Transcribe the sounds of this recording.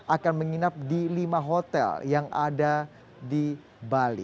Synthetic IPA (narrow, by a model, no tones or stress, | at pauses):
akanməŋinap̚dilimaɦot̪ɛ̰ljaŋa̰da | di | balḭ